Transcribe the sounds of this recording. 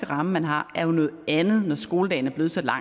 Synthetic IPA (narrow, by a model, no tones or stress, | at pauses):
ɡ̥əʁɑ̈məmænɦɑ̈æɐjo̝nɔ̽ːð̩ˠænð̩ˠnɒsɡ̥o̝ːləd̥ɛ̰ɪnæɐb̥le̝ːsæd̥lɑ̈